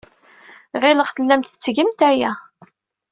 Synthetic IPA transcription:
ʁɪləʁθəlːæmt̪ət͡sːʝəmt̪æjæ

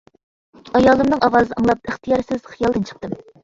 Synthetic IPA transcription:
ɑjɑːlˠɨmnɨŋɑwɑːzɨnɑŋlˠɑp̚əχt̪ʰijɑɾsɪz̥χijɑlˠd̪ɨnt͡ʃʰə̥q̚t̪ɨm

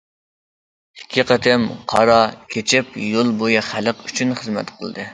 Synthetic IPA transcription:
hɛ̥kʲʰiqɑt̪ʰɪmqʰɑ̰ɾɑkʲʰet͡ʃʰɪpjolˠbojɨχæləqyt͡ʃʰynχəzmɛ̰t̪qʰəlˠd̪ɨ

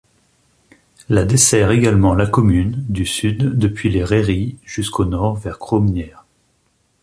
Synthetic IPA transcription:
lad̪esɛʁeɡalmɑ̃lakɔmynd̪ysyd̪ːəpɥileʁeʁiʒ̥yskʰonɔʁvɛʁkχomnjɛʁ

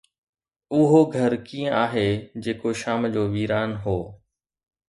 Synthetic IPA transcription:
ʊɦoɡʱəɾkiːə̃aːɦeːd͡ʑeːkoʃaːmd͡ʑoːʋiːɾaːnɦoː

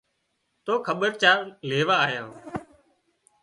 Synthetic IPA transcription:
t̪oːkʰəɓəɾt͡ʃaːleːʋaːɦɪjãː

